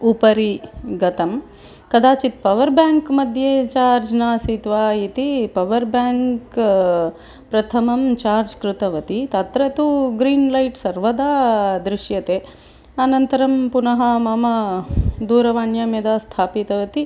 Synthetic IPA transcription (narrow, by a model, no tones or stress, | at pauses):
upɐɾiɡɐt̪ɐm | kɐd̪aːt͡ʃit̪pɐʋɐɾbjaːŋkmɐd̪ʱjet͡ʃaːɾd͡ʒnaːsit̪ʋaːit̪ipɐʋɐɾbjaːŋk | pɾɐt̪ʰɐmɐmt͡ʃaːɾd͡ʒkɾut̪ɐʋɐt̪it̪ɐt̪ɾɐt̪uɡɾiːnlɐjʈsɐɾʋɐd̪aːd̪ɾɪʃjɐt̪eː | ɐnɐnt̪ɐɾɐmpunɐɦɐmɐmɐd̪uːɾɐʋaːɳjɐmjɐd̪aːst̪ʰaːpit̪ɐʋɐt̪i